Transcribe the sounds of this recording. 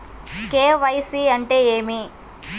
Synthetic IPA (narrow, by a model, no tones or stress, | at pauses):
keːʋɐjsiɐɳʈe̞ːeːmi